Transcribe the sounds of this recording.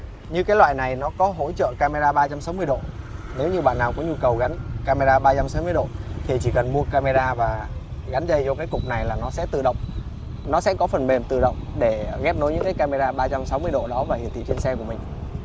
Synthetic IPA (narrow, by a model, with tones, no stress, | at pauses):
ɲɨ˧kaː˨˦jlwa̰ː˧˨jna˨˩jnɔ˨˦kɔ˨˦ɦo̰˧˥t͡ɕə̰ː˧˨kaː˧me˧zaː˧ɓaː˧t͡ɕa˧msa˨˦wŋ͡mmɨ˧əɗo̰˧˨ne˨˦wɲɨ˧ɓa̰˧˨nːaː˨˩wkɔ˨˦ɲu˧kə˨˩wɣa˨˦nkaː˧me˧zaː˧ɓaː˧t͡ɕa˧msa˨˦wmɨ˧jɗo̰˧˨t̪ʰi˨˩t͡ɕi˧˩kə˨˩nmu˧əkaː˧me˧zaː˧vaː˨˩ɣa˨˦nzə˧jt͡ɕɔ˧kaː˨˦jkʊ˨˩k͡p̚na˨˩jlaː˨˩nɔ˨˦sɛ̰˧˥t̪ɨ̰˧˨ɗə̰˧˨wŋ͡m | nɔ˨˦sɛ̰˧˥kɔ˨˦fə˨˩nme˨˩mt̪ɨ̰˧˨ɗə̰˧˨wŋ͡mɗe˧˩ɣɛ˦˥p̚no˨˦jɲɨ̰˧˥ŋkaː˨˦jka˧me˧zaː˧ɓaː˧t͡ɕa˧msa˨˦wmɨ˧əjɗo̰˧˨ɗɔ˨˦vaː˨˩hi˨nt̪ḭ˧˨t͡ɕi˧nsɛ˧kəmï˨˩ŋ̟